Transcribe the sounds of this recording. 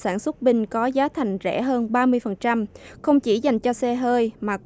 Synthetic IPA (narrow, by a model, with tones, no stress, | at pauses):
saː˧˩nswə˦˥t̚ɓï˧ŋ̟kɔ˨˦zaː˨˦t̪ʰa˨˩jŋ̟zɛ̰˧˩ɦəː˧nɓaː˧mɨ˧əjfə˨˩nt͡ɕa˧mxə˧wŋ͡mt͡ɕi˧˩za˨˩jŋ̟t͡ɕɔ˧sɛ˧ɦəː˧jmaː˨˩k